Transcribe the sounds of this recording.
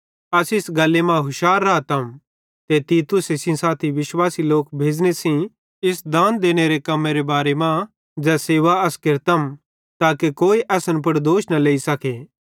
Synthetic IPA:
ɐsɪsɡɐlːemãɦʊʃaːɾːat̪ɐm | t̪et̪iːt̪ʊsɪsĩsaːt̪ʰiʋɪʃwaːsiloːkbʱeːd͡ʒnesĩ | ɪsd̪ãːnd̪eːñeɾekɐmːeɾebaːɾemã | d͡ʒɛːseːʋaɐskɪɾt̪ɐm | t̪aːkekoːiʔɛːsənp̬ɐɽd̪oːʃnɐleːisɐkʰe

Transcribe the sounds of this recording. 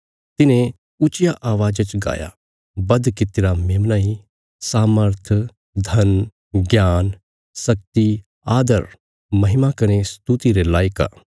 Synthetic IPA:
t̪ɪnẽ | ʊt͡ʃɪjaʔaːʋaːd͡ʒat͡ʃɡa̰ːja̰ | bɐd̪kɪt̪ɪɾameːmnaːi | saːməɾt̪ʰ | d̪ʱɐn | ɡjaːn | sɐk̚t̪i | aːd̪əɾ | mɐɦɪmakɐnest̪ut̪iɾelaːɪka̰ː

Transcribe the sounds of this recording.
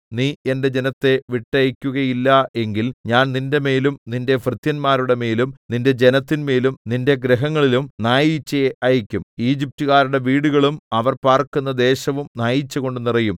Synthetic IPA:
niːe̞nde̞d͡ʑe̞nɐt̪ːe̞ʋiʈːɐjikʲːuɣɐjilːɐe̞ŋɡilɲaːnninde̞me̞ːlumninde̞frɨt̪jɐnmaːɾuɽe̞me̞ːlumninde̞d͡ʑe̞nɐt̪ːinme̞ːlumninde̞ɡɾeɦɐŋːɐɭilumnaːjit͡ɕːɐʔɐjikʲːumiːd͡ʑip̚tuɣaːɾuɽe̞ʋiːɽuɣɐɭumɐʋɐrpaːrkunːɐd̪e̞ːɕɐʋumnaːjit͡ɕːuɣo̞ɳɖunirɐjum

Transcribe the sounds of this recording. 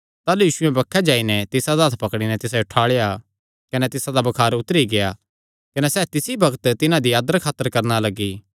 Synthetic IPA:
t̪aːlujiːʃʊɛ̃bɐkʰːɛd͡ʒaːinɛt̪ɪsad̪aɦɐt̪ʰpɐkɽ̃inɛt̪ɪs̬aʊʈʰaːɭeja | kɐnɛt̪ɪsad̪abɐkʰaːɾʊt̪əɾiɡea | kɐnɛsɛːt̪ɪsibɐɡət̪t̪ɪnãd̪iaːd̪əɾkʰaːt̪ːəɾkɐɾnalɐɡi

